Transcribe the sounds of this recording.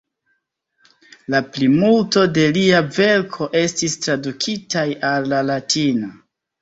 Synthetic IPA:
laplimulto̞de̞liave̞ɾkʰo̞ʔe̞stistɾadukʰitajalːalatino

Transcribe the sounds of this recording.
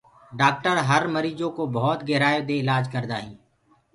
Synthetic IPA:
ɖaːk̚ʈəɾɦəɾməɾiːd͡ʒõːkobɔɦɔt̪ɡɛɦɾaːed̪eɪlaːd͡ʒkəɾd̪a̰ːɦĩː

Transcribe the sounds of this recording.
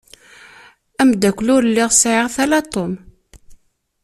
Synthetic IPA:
æmd̪ækʷːlʊɾlːiʁsʕɪʁθælat̪ˤom

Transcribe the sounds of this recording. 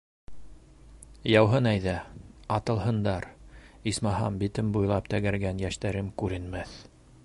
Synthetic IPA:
jɑwɦɤnæjðæɑt̪ɤ̆lˠɦɤ̆nd̪ɑɾismɑɦɑ̰mbit̪ɘmbujlˠɑp̚t̪æɡæɾɡænjæʃt̪æɾɘmkʉɾɘ̆nmæθ

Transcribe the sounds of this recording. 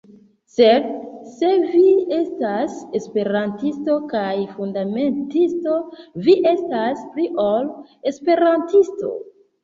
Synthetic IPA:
seɾse̞vie̞stase̞spe̞ɾantisto̞kajfundame̞ntisto̞viʔe̞staspliʔole̞spe̞ɾantisto̰

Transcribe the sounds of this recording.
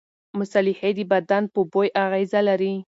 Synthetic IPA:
mʊsalɪhed̪əbad̪anpəbojʔaɣezalaɾi

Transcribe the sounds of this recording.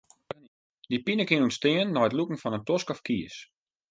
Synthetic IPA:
n | dipinəkɪnunstɪənːɔjətlukŋ̩fɔnəntoskɔfkiəs

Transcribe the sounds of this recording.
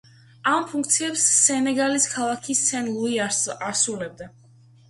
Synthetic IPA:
ampʰuŋk̚t̪sʰiɛpsːɛnɛɡaliskʰalˠakʰisɛnlˠuiasulɛb̚d̪a

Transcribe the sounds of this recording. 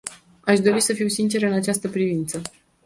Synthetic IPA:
aʃd̪o̞ɾisəfiwsint͡ʃe̞ɾɨnat͡ʃast̪əpɾivint̪sə

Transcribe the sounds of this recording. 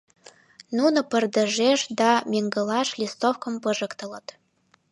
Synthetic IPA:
nunŏpə̆rd̪ə̆ʒeʃd̪ɑmʲeŋɡɤ̆lɑʃlʲist̪ofkɤ̆mpɤ̆ʒɤ̆kt̪ɤ̆lɤ̆t̪

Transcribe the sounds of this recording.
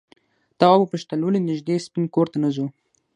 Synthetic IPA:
t̪awɑbupəʃt̪alolenɪʒd̪espinkoɾt̪anazu

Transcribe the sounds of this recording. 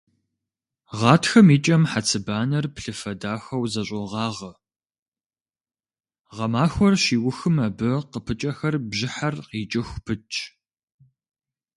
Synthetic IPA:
ʁɑːtʰxɐmiːt͡ʃʼɐmħat͡sʰɨbaːnɐrpɬɨfɐdaːxɐwzɐɕʼɔʁɑːʁɐ | ʁɐmaːxʷɔrʃiːwʊxɨmɐbɨqəpʰɨt͡ʃʼɐxɐrbʑɪħarqiːt͡ʃʼɪxʷpʰɨt͡ʃʰʼ

